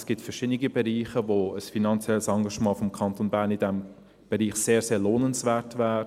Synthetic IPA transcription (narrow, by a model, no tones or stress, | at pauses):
sɡ̥itfɛʃɪdniɡibɛɾiːχəvoəsfinɑnt͡sjɛlsɑŋɡɑʃmɑːfɔmkʰɑntonbæːɐɾnidɛm | b̥ɛɾiːχseːɾseːɾloːnənsvɛːɾtvɛːɾ